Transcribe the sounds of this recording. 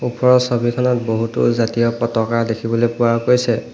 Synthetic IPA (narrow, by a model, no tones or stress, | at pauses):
upɔɹɔsobʱikʰɔnɔt̚boɦutʊ̰zatijɔpɔtɔkaɹdekʰibɔlojpʊwaɹkojsɛ